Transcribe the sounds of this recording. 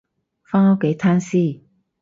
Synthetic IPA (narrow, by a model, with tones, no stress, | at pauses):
faː˥ŋa˨˥wke˨˥jt̪ʰaː˥nsiː˥˨